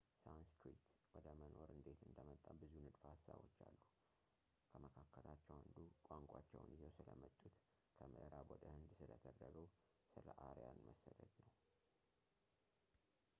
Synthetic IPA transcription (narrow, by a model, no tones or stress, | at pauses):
sawnskʰɾit̪wɔd̪əməno̞ɾɨnd̪e̞t̪ɨnd̪əmət̪ʼːabɨzunɨd̪fhasa̰βo̞t͡ʃːalːu | kʰəməkʰakːəlat͡ʃːɛwhɨnd̪ukʷʼaŋkʷʼat͡ʃːɛwnizəwsɨləmət̪ʼːut̪ | kʰəmɨʔɾabod̪ʼəhɨnd̪sɨlət̪ʰərːəɡəw | sɨləʔaɾjanməsːəd̪əd̪nəw